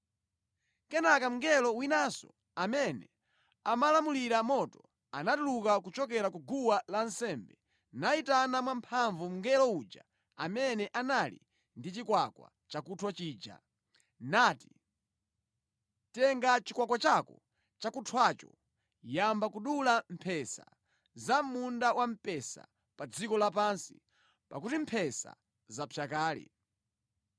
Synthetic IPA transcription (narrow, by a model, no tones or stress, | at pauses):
kɛnakam̩ŋɡɛlɔwinasɔ̰ | amɛnɛ̰ | amalamuliɾamɔtɔ | a̰natulukakut͡ʃɔkɛɾakuɡuwalansɛmbɛ | naitanamwampʰaɱvum̩ŋɡɛlɔud͡ʒa̰ | amɛnɛʔanalḭ | ndit͡ʃikwakwa̰ | t͡ʃakutʰwat͡ʃiːd͡ʒa̰ | nati̥ | tɛŋɡat͡ʃikwakwat͡ʃakɔ | t͡ʃakutʰwat͡ʃɔ̰ | jambakuɗulam̩pʰɛsa̰ | zamundawam̩pɛsa̰ | pad͡zikɔlapansḭ | pakutim̩pʰɛsa̰ | zapʰjakaːlḭ